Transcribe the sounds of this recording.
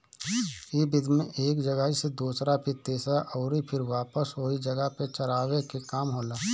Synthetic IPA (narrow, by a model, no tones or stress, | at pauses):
iːbɪd̪mẽʔeːkd͡ʒəɡəised̪uːsɾapʰɪt̪eːsaʔɔːɾipʰɪɾʋaːpəsɦoːid͡ʒɐɡəɦpet͡ʃəɾaːʋekekaːmɦoːlaː